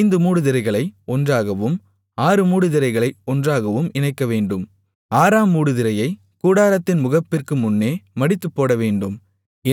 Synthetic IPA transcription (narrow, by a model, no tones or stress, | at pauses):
ɪnd̪ɯmuːɽɯðɪɾɐɪɣɐɭɐɪɔndraːɣɐʋɯm | aːɾɯmuːɽɯðɪɾɐɪɣɐɭɐɪɔndraːɣɐʋɯmɪnɐɪkːɐʋeːɳɖɯm | aːɾaːmːuːɽɯðɪɾɐjɐɪ | kuːɽaːɾɐt̪ːɪnmʊɣɐpːɪrkɯmʊnːeːmɐɽɪt̪ːɯpːoːɽɐʋeːɳɖɯm | ɪ